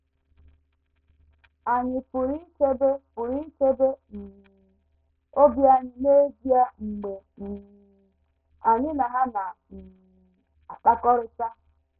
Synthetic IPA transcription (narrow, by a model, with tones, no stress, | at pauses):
a˨ɲɪ˨pʊ˨ɾi˦t͡ʃe˦be˦pʊ˨ɾi˦t͡ʃe˦be˦m̩˨ | o˦bja˨ɲɪ˨ne˦zi˦a˦ŋ͡m̩˨ɡ͡be˨ | a˨ɲɪ˦na˨ɦa˦na˨ | a˨k͡pa˦kɔ˦ɾɪ˦sa˦